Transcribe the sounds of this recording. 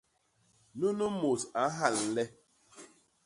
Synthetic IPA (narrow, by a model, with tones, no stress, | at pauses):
nu˦nu˦mo˨sa˨˦ɦa˨l̩˨le˦